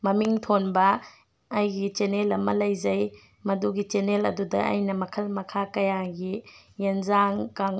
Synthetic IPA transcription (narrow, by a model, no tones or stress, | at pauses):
mɐmiŋtʰonbɐː | jɡit͡ʃenelɐmɐlɐjzɐj | mɐduɡit͡ʃenelɐ̰dudɐ̰ʔɐ̰jnɐmɐkʰɐlmɐkʰakɐjaɡijenzaŋkaŋ